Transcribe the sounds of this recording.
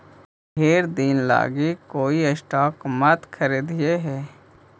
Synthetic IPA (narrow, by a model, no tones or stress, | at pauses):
ɦeːɾd̪iːnla̰ːɡikoːiəsʈaːkmət̪kʰəɾiːd̪ieɦɛː